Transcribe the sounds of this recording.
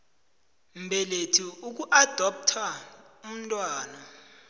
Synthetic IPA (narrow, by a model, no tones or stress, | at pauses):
mbʱɛletʰiuk̬uʔad̥ʱɔp̚tʰaum̩tʼwaːna